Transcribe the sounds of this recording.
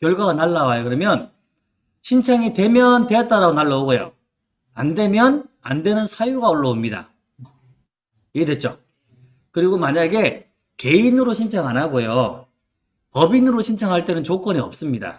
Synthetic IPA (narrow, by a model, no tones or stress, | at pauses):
kjʌɭɡwaɡanaɭːawajokɯɾʌmjʌn | ɕʰint͡ɕʰaŋitwe̞mjʌntwe̞jʌt̚t͈aɾaɡonaɭːaoɡojo̰ | ande̞mjʌna̰ndwe̞nɯnsʰajuɡaoɭːʌomɲida̰ | iedwe̞t̚t͡ɕ͈o | kɯɾiɡomaɲaɡe̞ | ke̞inɯɾoɕʰint͡ɕʰaŋanaɡojo | pʌbinɯɾoɕʰint͡ɕʰaŋɦaɭt͈e̞nɯnt͡ɕok͈wʌniʌ̰p̚s͈ɯmɲida̰